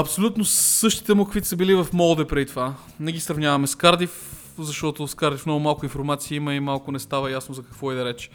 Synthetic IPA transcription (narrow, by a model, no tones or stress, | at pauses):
ɐpsolʲut̪nosɤʃt̪i̥t̪ɛmokvit̪səbilivɐfmɔlˠd̪ɛpɾɛd̪it̪ova | nɛɡʲisɾɐvnʲjavɐmɛskaɾd̪if | zɐʃt̪ɔt̪ʊskaɾd̪ifnɔɡʊmalˠkʊinfoɾmat̪siəimɐimalˠkʊnɛst̪avəjasnozɐkɐkvɔid̪ɐɾɛt͡ʃɛ̥